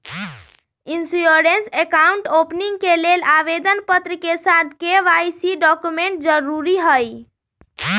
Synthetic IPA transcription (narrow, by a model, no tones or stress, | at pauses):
insujoɾensekauɳʈopniŋɡkelelaβed̪ənpət̪ɾəkesad̪ʱkeʋajsiɖɔkumeɳʈ̚d͡ʒəɾuɾiɦəj